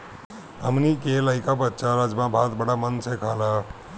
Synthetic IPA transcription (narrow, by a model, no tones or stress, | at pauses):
ɦəmnikeləɦikabətːʃaɾad͡ʒmãbʱat̪bəɽamənsʰekʰalə